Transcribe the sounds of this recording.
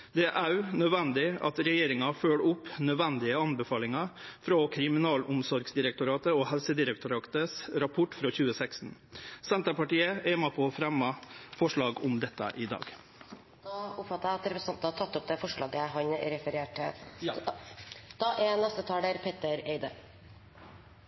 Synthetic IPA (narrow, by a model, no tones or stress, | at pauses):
d̪ɛʔæʉnœd̪ʋɛnd̪ɪɑ̰t̪ɾɛjeːɾɪŋɑføːɽʊpːnœd̪ʋɛnd̪ɪəɑnbɛfɑːlɪŋɑfɾoːkʰɾɪmɪnɑːlʊmsɔɾɡsd̪ɪɾɛk̚t̪ʊɾɑːt̪əohɛlsəd̪ɪɾɛk̚t̪ʊɾɑːt̪əsɾɑpʰʊʈfɾoːçʉːəsɛksn | sɛnt̪əpɑʈiːəʔeːmɑpʰɔfɾɛmːɑfɔʂɭɑːɡʊmd̪ɛt̪ːə̰ʔɪd̪ɑ̰ːɡ̪ | ʊpfɑt̪ːəɾæɪɑt̪ɾɛpɾəsnt̪ɑt̪ʰɑt̪ːʊp̚d̪ɛfɔʂɭɑːɡəɦɑnɾɛfəɾeːʈʰɪ | d̪̥ɑʔɛnɛst̪ət̪ʰɑːlɖ̪eːɾpʰeːt̪əɾeɪd̪ə